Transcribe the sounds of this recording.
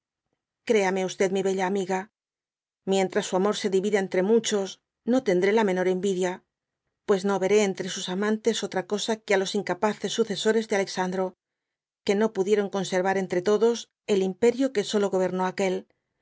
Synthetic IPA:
kɾe̞ameaust̪e̞ðmiβe̞ʎaːmiɣa | mje̞nt̪ɾasːuamo̞ɾse̞ðiβiðaent̪ɾe̞mut͡ʃo̞s | no̞t̪e̞nd̪ɾe̞lamẽ̞no̞ɾe̞mbiðja | pwe̞sno̞βe̞ɾe̞ːnt̪ɾe̞susamãnt̪e̞so̞t̪ɾako̞sakealo̞siŋkapaθe̞sːuθe̞so̞ɾe̞zðeale̞ksand̪ɾo̞ | ke̞no̞puðje̞ɾo̞ŋko̞nse̞ɾβaɾe̞nt̪ɾe̞t̪o̞ðo̞s | e̞limpe̞ɾjoke̞so̞lo̞ɣo̞β̞e̞ɾno̞ake̞l

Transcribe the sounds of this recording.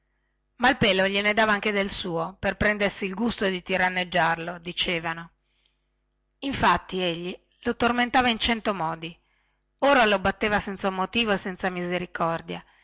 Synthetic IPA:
mailpeːloʎened̪aːvaaŋk̟ed̪elsuːoperpɾɛnd̪ersiːlɡust̪od̪it̪iɾanːed͡ʒːarlod̪it͡ʃeːvano | iɱfat̪ːieʎːi | lot̪orment̪aːvaint͡ʃɛnt̪omɔːd̪i | oːɾalobat̪ːeːvasɛnt̪samot̪iːvoesɛnt̪samizeɾikɔrd̪ja

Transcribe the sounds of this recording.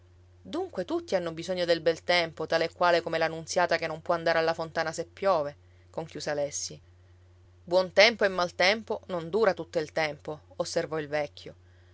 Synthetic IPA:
d̪uŋkwet̪ut̪ːianːobizoɲːod̪elbɛlt̪ɛmpot̪aːleːkːwaːlekomelanːunt̪sjaːt̪akenːompwɔand̪aɾealːafont̪aːnasepːjɔːve | koŋkjuːsealɛsːi | bwɔnt̪ɛmpoemːalt̪ɛmponond̪uːɾat̪ut̪ːoilt̪ɛmpoːsːervɔilvɛkʰʲːjo

